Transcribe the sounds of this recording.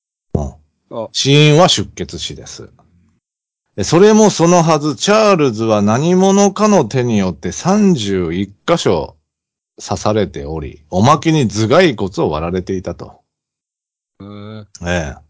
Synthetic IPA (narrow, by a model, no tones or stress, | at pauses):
o̰ː | ɕĩɰ̃βaɕɨkːe̞t͡sɨɕid̪e̞sɨ̰ | eso̞ɾe̞mo̞so̞no̞ɦazɨt͡ɕaːɾɯ̟zɨβanaɲ̟imo̞no̞kano̞t̪e̞ɲ̟ijo̞t̪ːe̞sãɲ̟d͡ʑɨːikːaɕo̞̰ | sasaɾe̞t̪e̞o̞ɾʲḭo̞makeɲ̟id͡zɨɡaiko̞t͡sɨoβ̞a̰ɾaɾe̞t̪e̞it̪at̪o̞̰ | eː